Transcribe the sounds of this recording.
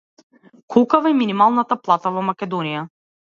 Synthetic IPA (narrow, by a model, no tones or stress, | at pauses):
kʰɔlˠkavaɛminimalˠnat̪aplˠat̪avɔmakʲɛd̪ɔnija